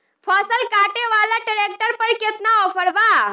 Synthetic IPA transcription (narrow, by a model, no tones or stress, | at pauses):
pʰaːsəlkaːʈeʋaːlaʈɪɾeːk̚ʈəɾpɐɾkɪt̪naɔːpʰəɽbaː